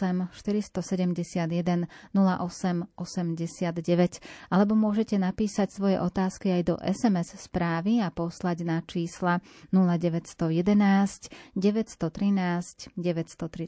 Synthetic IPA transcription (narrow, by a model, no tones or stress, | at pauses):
ɛmʃt̪iɾist̪ɔsɛɟɛmɟɛsɪad̪jɛd̪ɛnːula̰ʔɔsɛmɔsɛmɟɛsɪad̪ɟɛʋɛcʔalɛbɔmʊɔʒɛcɛnapiːsacsʋɔjɛ̰ʔɔt̪aːskiajd̪ɔ̰ʔɛsɛmɛsspɾaːʋiapɔslaɟnat͡ʃiːslanulaɟɛʋɛcst̪ɔjɛd̪ɛnaːscɟɛʋɛcst̪ɔt̪ɾinaːscɟɛʋɛcst̪ɔt̪ɾi